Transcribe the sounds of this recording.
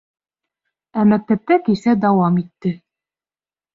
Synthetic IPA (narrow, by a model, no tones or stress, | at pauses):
æmæk̚t̪æp̚t̪ækisæd̪ɑwɑmit̪ːɘ